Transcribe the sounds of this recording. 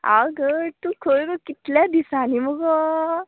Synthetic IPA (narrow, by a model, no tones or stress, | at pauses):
a̰ɡəɾt̪ũkʰoɭɡɔkit̪ljad̪isaniməɡɔ